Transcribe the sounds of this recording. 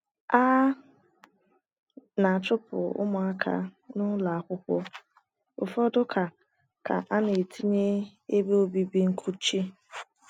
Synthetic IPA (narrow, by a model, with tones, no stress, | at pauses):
a˦ | na˨a˨t͡ʃʊ˦pʊ̰˨ʊ̰˦mʊ˨a˦kʰa̰˦nʊ˦la˨a˨kʷʊ˦kʷɔ˦ | ʊ̰˨fɔ˦dʊ˦kʰa˨ | ka̰˨ʔa˦ne˨tʰi˦ɲe˦e˦be˦o˦bi˦bi˦ŋ̩˦kʰu˦t͡ʃi˦